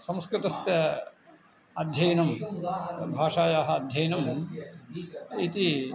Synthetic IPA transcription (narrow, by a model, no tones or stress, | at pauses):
sɐ̃mskɾɪt̪ɐsjɐ | ɐd̪ʱjɐjɐnɐm | bʱaːʂaːjaːɦɐɐd̪ʱjɐjɐnɐm | it̪i